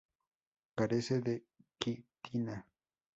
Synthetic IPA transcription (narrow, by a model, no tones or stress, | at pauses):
kaɾeseðe | kit̪ina